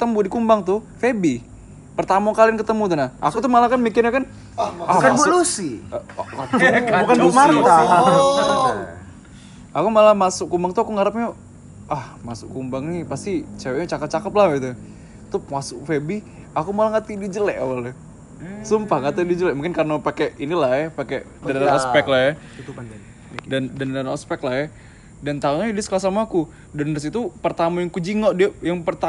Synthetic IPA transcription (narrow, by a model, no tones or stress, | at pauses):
ət̪əmudikumbaŋt̪ʊfebi | pərt̪amakaliankət̪əmut̪unaʔa̰kut̪ʊmalakanmikɪrɲakan | akanbulusikabukanbumaaa | akumalahmasʊkːumbaŋt̪uakuŋaɾap̚ɲa | ahmasʊ̰kumbaŋnipast̪it͡ʃawɛɲat͡ʃakət̚t͡ʃakəplahbit̪u | t̪ʊp̚masʊkfebi | akumalahŋat̪idid͡ʒəlɛʔawalɛ | sumpaŋɡat̪idid͡ʒəlɛʔmuŋkɪnkarnapakeʔinilahjɛpake | daɾaaspɛklahja | dandanalaɔspɛklahjɛ | dant̪auɲadisə̥kalahs̬amaːku | danris̬it̪upərt̪amajaŋkud͡ʒiŋɔʔdiajaŋpərt̪a